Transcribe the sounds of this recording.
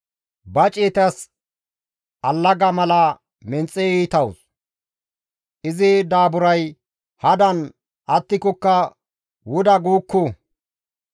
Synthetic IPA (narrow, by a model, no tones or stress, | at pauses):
bɐt͡ʃʼeːt̪ɐs | ʔɐlːɐɡɐmɐlɐ | mɛnt͡sʼːɛiːt̪ɐws | ʔɪzɪd̪aːbʊɾɐj | hɐd̪ɐn | ʔɐt̪ːɪkɔkːɐ | wʊd̪ɐɡuːkːu